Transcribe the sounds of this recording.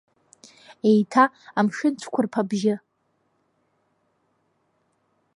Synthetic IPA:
ejtʰa | amʃɪnt͡ʃʷʰkʷʰʊrpʰabʒɪ

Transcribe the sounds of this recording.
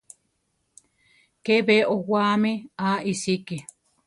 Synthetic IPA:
keβeʔowameaisike

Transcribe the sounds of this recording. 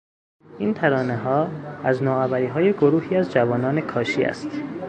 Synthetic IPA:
ʔiːnt̪ʰæɾɒːneɦɒːæznɒːævæɾiːɦɒːje̞ɡoɾuːhiːæzd͡ʒævɒːnɒːne̞kʰɒːʃiːæ̰st̪

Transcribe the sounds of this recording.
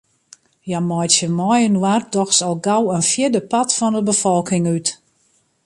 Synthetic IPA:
jamɔjtjəmɔjənwardɔxsɔlˠɡawənfjɪdəpatfɔndəbəfɔlˠkɪŋyt

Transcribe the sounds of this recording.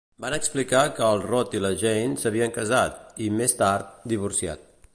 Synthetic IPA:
banəksplikakəːlˠrɔt̪iləʒejnsəβiəŋkəzat̪imest̪aɾt̪̚d̪iβ̞uɾsia̰t̪̚

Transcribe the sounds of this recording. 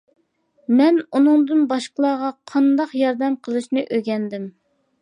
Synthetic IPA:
mɛnunɨŋd̪ɨnbɑʃqəlˠɑːʁɑqʰɑnd̪ɑqjɑɾd̪ɛmqʰəlˠɨʃnɨʔøɡʲɛnd̪ɪm

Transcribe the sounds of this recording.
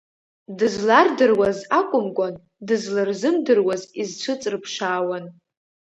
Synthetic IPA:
dɨzlardɨrwazakʷʼʊmɡʷan | dɨzlarzɨmdɨrwazizt͡ʃʷʰɨt͡sʼrɨpʰʂaːwan

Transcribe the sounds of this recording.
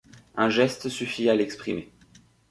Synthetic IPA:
ɛ̃ʒɛst̪syfialɛkspχime

